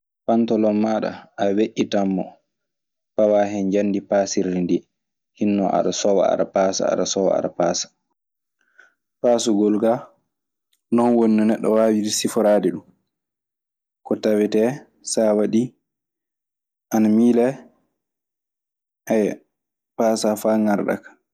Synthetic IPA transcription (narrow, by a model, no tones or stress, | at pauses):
pantɔlɔmːaɗa̰aweʔːitamːɔ | pawaɦɛnd͡ʒandipasiɾːindi | hinːɔʔa̰ɗasɔwa̰a̰ɗa̰pasa̰a̰ɗasɔwa̰a̰ɗa̰pasḁ | paːsuɡɔlɡa | nɔnwonːunɛɗːɔwaːwiɾsifɔɾadɛɗum | kɔtawɛtɛ | sawaɗi | ʔanamiːlɛ | ʔaj | pasafaːŋaɾɗa̰kḁ